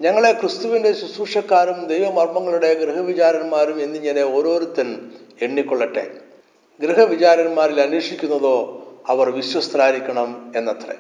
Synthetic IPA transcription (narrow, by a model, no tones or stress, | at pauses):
ɲɐŋːɐɭe̞krɨst̪uʋinde̞susuːʂɐkːaːɾumd̪ejʋɐmɐrmɐŋːɐɭuɽe̞ɡɾɨɦɐʋit͡ɕaːɾɐnmaːɾume̞nːiɲɐne̞o̞ːɾo̞ːɾut̪ːɐn | eɳːikːoɭːɐʈːe̞̰ | ɡɾɨɦɐʋit͡ɕaːɾɐnmaːɾilɐniːʂikʲːunːɐðo̞ːɐʋɐrʋiɕwɐst̪raːɾikʲːɐɳɐme̞nːɐt̪rḛ